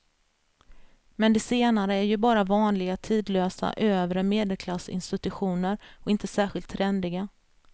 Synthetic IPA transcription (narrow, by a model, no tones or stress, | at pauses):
mɛnd̪ɛseːnaɾəæɾjɵbɑːɾavɑːnlɪɡat̪ʰiːd̪løːsa̰ʔøːvɾəmeːd̪ɛlkʰlasɪ̰nst̪ɪt̪ɵɧuːnəɾɔkɪnt̪əsæːɾɧɪlt̪ʰːɾɛnd̪ɪɡa